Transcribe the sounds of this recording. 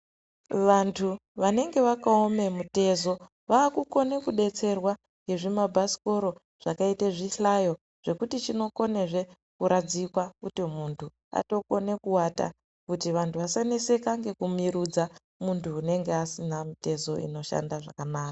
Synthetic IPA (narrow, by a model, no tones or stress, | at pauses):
ʋantʰuʋane̞ŋɡe̞ʋakaome̞mute̞zo̞ | ʋaːkuko̞ne̞kuɗe̞t͡se̞rwa | ŋɡe̞ʐimabʱasi̥ko̞ɾo̞ | ʐ̥akaiteʐiɬajo̞ | ʐ̥e̞kutit͡ʃino̞ko̞ne̞ʐe̞ | kuɾad͡zikwakutimuntʰu | a̰to̞ko̞ne̞kuwata̰ | kutiʋantʰuʋasanese̞kaŋɡe̞kumiɾud͡za | muntʰuːne̞ŋɡe̞asinamite̞zo̞ḭno̞ʃa̰ndaʐa̰kanaːkaa